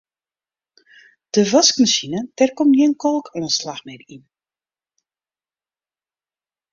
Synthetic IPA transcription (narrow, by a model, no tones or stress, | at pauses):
d̥əvaskməsinətɛrkɔmniənkɔlˠkʰɛnəslaxmɛrin